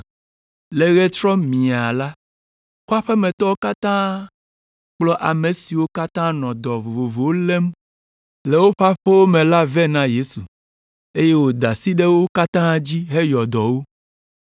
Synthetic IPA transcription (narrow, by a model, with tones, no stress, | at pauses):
le˨ɣɛ˦t͡ʃɾɔ˦mĩ˨a˨la˦ | ku˦a˦ɸɛ˦mɛ̃˨t̪ɔ˦wo˦ka˦t̪ã˦ | k͡plɔ˦ʔa˨me˨si˨wo˦ka˦t̪ã˦nɔ̃˨d̪ɔ˨vo˨vo˨vo˨wo˦le˦m | le˨wo˦ɸa˦ɸe˦wo˦mɛ̃˨la˦vɛ˦nã˦je˦su˨ | e˦je˦wo˦d̪a˨si˦ɖɛ˦wo˦ka˦t̪ã˦d͡ʑi˦ɦe˦jɔ˨d̪ɔ˨wo˦